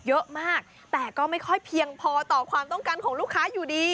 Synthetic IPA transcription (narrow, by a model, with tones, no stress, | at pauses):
jɤ˦˥ʔmaː˥˩k̚ | t̪ɛː˨˩kɔː˥˩ma˥˩jkʰɔ˥˩jpʰi˧əŋpʰɔː˧t̪ɔː˨˩kʰwaː˧mt̪ɔ˥˩ŋkaː˧nkʰɔː˩˦ŋluː˥˩kʰːaː˦˥juː˨˩diː˧